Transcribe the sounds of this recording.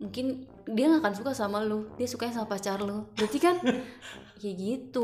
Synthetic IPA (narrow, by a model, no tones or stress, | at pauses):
muŋkɪn | diaŋakansukasamalodiasukaɲaŋsamapat͡ʃarlod͡ʒat̪ikan | jaɡit̪u